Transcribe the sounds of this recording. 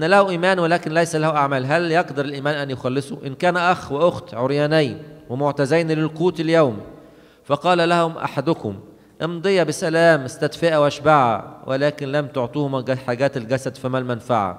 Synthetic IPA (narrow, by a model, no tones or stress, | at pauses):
ʔnːælæhʊʔiːmæːnwelæːkɪnlæjsælæhuʔaʕmæːlɦæljɑqd̪ɑɾˤɪlʔiːmæːnʔænjoxɑlːesˤuʔɪnkæːnʔæxweʔoxt̪ʕoɾjæːnæjwemʊʕt̪æzæjnlɪlquːt̪ɪljawm | fɑqɑːlælæhʊmʔa̰ħad̪ʊkʊ̰m | ʔend̪ˤejɑbɪsælæːmɪst̪æd̪feʔæwʔæʃbaʕa̰wʔelæːkɪnlæmt̪oʕt̪ˤiːhʊmɡæħaːɡæːt̪elɡæsæd̪fimælmænfaʕa̰